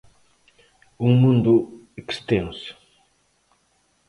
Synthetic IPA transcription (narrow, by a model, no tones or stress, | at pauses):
uŋmũnd̪u | ekst̪ẽŋs